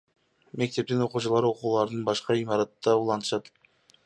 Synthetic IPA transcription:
me̞k̚t̪e̞p̚t̪ino̞quːt͡ʃɑlˠɑɾo̞quːlˠɑɾd̪ɯnbɑʃqɑimɑɾɑt̪ːɑulˠɑnt̪ʃɑt̪

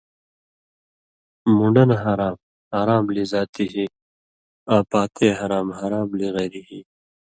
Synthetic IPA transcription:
muɳɖɐnɦaɾaːm | haːɾaːmlizaːt̪iɦi | aːpaːt̪ʰeːɦɐɾaːmɦaɾaːmliɣeːɾiɦiː

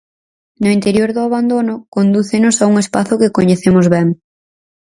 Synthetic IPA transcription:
nʊint̪eɾjoɾðʊaβand̪onʊkond̪uθɪnʊsauŋespaθʊkɪkoɲeθemʊzβɛŋ

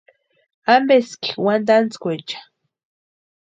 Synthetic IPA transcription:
ambeskiwand̪ant͡skʷet͡ʃḁ

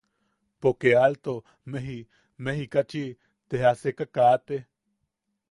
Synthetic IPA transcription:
pokealt̪o | meɦi | mehikat͡ʃi | t̪eɦasekakat̪eh

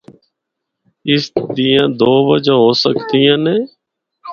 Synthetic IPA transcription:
ɪsd̪ijãːd̪oːʋə̰d͡ʒãːɦoːsəkt̪iːãːneː

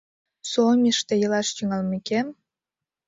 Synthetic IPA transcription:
somʲiʃt̪ejɤlɑʃt̪yŋɑlmekem

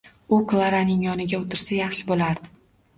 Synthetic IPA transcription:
ʊklˠaɾanɪŋjɒnɪɡʲaot̪ʰɪɾsajɑχʃɪbolaɾd̪ɪ

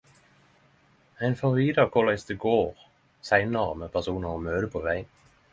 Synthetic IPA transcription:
æɪnfɔʁʋiːd̪ɑkʰʊʁlæɪst̪əɡoːʁ | sæɪnəʁmeːpʰæʁsuːnɑʁoːmøːd̪əpʰoːʋæɪn

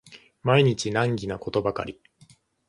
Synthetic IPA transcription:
maiɲ̟it͡ɕinãŋɡʲinako̞t̪o̞baka̰ɾʲi

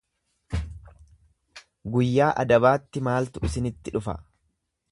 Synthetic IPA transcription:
ɡʊjːaːʔɐ̰d̪ɐbaːt̪ːɪmaːlt̪ʊʔɪsɪnɪt̪ːɪᶑʊfɐ̰

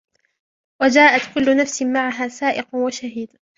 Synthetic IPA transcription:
wad͡ʒaːʔat̪kʊlːʊnafsɪmaʕaɦaːsaːʔɪqwaʃaɦiːd̪

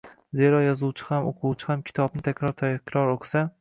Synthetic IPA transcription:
ze̞ɾɒjɒzuwt͡ʃʰɪ̥hamoqʰuwt͡ʃʰɪhamkʲʰɪ̥t̪ʰɒb̚nɪt̪ʰakʲɾɒɾt̪ʰakʰʲɾɒɾoqsa

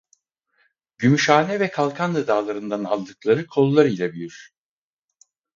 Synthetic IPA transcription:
ɟymyʃaːnɛvɛkʰalˠkʰand̪ɯd̪aːlˠaɾɯnd̪ana̰lˠd̪ɯklˠaɾɯkʰo̞lˠːaɾɯjlʲabyjyɾ̥

